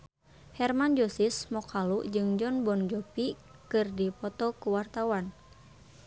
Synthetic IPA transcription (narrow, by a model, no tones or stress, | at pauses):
hɛrmand͡ʒɔsismɔkʰaluʔd͡ʒɨŋd͡ʒɔnbɔnd͡ʒɔpi | kɨrdipɔt̪ɔkuwart̪awan